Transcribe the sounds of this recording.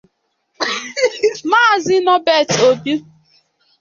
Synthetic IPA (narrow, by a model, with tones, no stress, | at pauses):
maː˦˨zi˦nɔ˦bɛ˦˨to˨bi˦